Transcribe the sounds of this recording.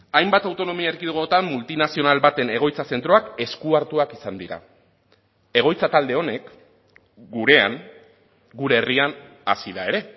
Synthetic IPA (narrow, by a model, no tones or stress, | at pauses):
ajmbat̪awt̪o̞no̞miaeɾkiðuɣot̪amːult̪inasio̞nalbat̪e̞ne̞ɣ̞o̞jt͡sase̞nt̪ɾo̞ake̞skuaɾt̪uakisand̪iɾa̰ | e̞ɣ̞o̞jt͡sat̪ald̪e̞o̞ne̞k | ɡuɾe̞a̰ŋ | ɡuɾe̞ːrian | a̰siðae̞ɾe̞